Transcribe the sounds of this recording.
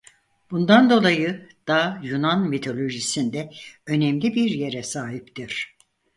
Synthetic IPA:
b̥und̪and̪o̞lˠajɯd̪̥aːjunanmit̪ʰo̞lʲo̞ʒisind̪ɛø̞nɛmlʲibiɾje̞ɾɛsaːɦipt̪ʰiɾ̥

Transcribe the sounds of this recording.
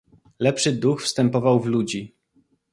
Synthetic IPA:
lɛpʂɘd̪uxfst̪ɛmpɔvawvlud͡ʑi

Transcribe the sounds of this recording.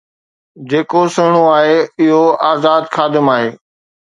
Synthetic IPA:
d͡ʑeːkosɐɽ̃oaːɦeɪɦoaːzaːd̪xaːd̪ɪmaːɦeː

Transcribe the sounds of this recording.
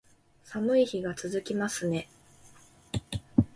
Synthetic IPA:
samɯ̟içiɡat͡sɨzɨkʲimasɨne̞

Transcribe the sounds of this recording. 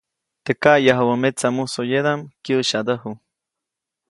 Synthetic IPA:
t̪ekaʔjaɦawəmet͡samusojed̪amkjəʃad̪əhu

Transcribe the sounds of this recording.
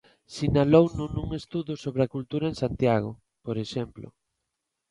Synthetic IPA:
sinalownunuŋest̪uðʊsoβɾeakult̪uɾɐensant̪jaɣ̞ʊ̰ | poɾeʃemplʊ̰

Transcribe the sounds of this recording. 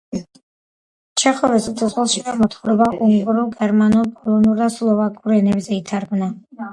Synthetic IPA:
t͡ʃʰɛχɔvɛsɡd̪ʼzʁɛlˠʃivamɔt̪ʰχɔɾɔbaʔuŋkʼuɾulˠɡɛɾmanuɾpʼɔlˠɔnuɾd̪aslˠɔvakʼuɾɛnɛbzɛit̪ʰaɾɡmna

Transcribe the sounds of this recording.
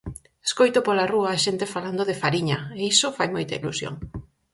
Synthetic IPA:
eskojt̪opolaruaːʃent̪efaland̪oðefaɾiɲɐeisofajmojt̪aḭlṵsjo̰ŋ

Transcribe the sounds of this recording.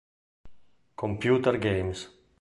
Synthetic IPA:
kompjut̪ɛɾɡejms

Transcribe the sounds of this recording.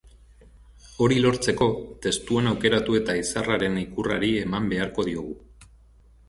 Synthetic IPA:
o̞ɾilo̞ɾt͡se̞ko̞t̪e̞st̪uenawke̞ɾat̪ue̞t̪aisaraɾe̞nikura̰ɾie̞mambe̞aɾko̞ðio̞ɣ̞u

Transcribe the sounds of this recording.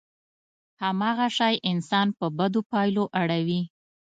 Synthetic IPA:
hamɑɣaʃɑjʔɪnsɑnpəbad̪opɑjloʔaɽawi

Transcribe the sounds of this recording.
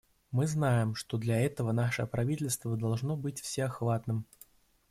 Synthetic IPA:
mɨznajɪmʂt̪od̪lʲɐɛt̪əvənaʂəpɾɐvʲitʲɪlʲst̪vəd̪ɐlˠʐno̞bɨtʲfsʲeaxvat̪nɨm

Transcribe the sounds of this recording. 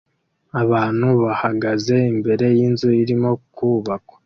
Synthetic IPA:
aβaːn̥huβahaɡaze̞imbe̞ɾe̞jiːnzuiɾimo̞kuːβakḁ

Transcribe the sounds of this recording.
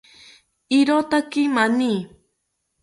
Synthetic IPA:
ɪɾot̪akimaniː

